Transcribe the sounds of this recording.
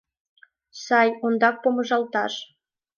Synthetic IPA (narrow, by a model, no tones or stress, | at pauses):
sɑjond̪ɑk̚poməʒɑlt̪ɑʃ